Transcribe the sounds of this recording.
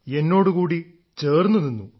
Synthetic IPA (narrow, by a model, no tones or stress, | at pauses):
e̞nːo̞ːɽukuːɽi | t͡ɕe̞ːrnːɐðinːu